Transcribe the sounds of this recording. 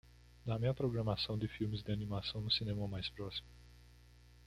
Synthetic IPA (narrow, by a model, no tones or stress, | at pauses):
d̪amẽɐpɾoɡɾɐmasɐ̃w̃d̪ɪfiwmɪzd̪ɪanimasɐ̃w̃nʊsinẽmɐmajspɾɔsi̥mʊ